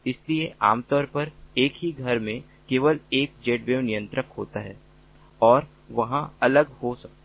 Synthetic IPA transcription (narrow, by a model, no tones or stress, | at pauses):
ɪslieʔa̰ːmt̪ɔːɾpɐɾeːkɦiɡʱɐɾmẽ | keːʋəleːk̚d͡ʒeːʈʋeːʋnijə̃nt̪ɾəkɦo̰ːt̪aɦɛː | ɔːɾ | ʋɐɦãɐləɡhosɐk̚t̪